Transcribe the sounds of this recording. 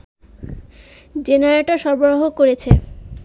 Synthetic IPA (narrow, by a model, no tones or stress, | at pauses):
d͡ʑenaɾeʈaʃɔɾboɾoɦokoɾet͡ɕʰe